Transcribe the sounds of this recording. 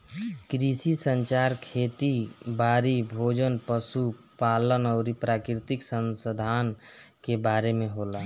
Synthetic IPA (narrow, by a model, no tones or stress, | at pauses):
kɾisisəɲt͡ʃaɾkʰeːt̪ibaɾibʱod͡ʒənpəsupaːlənɔʊɾipɾakɾɾit̪iksə̃nsəd̪ʱan | kebaːɾemẽɦola